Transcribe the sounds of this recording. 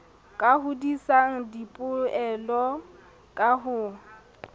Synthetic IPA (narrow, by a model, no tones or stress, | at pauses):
kʼahʊdisaŋ̩dipʼʊɛlɔ | kʼaɦʊ